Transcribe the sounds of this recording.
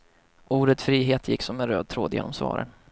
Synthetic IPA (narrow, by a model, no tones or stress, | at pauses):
ʔuːɖət̪fɾiːɦeːt̪ʰjɪkːsɔmːɛnɾøːd̪̚t̪ʰɾoːd̪jḛːnːɔmsvɑ̰ːɾʔə̰n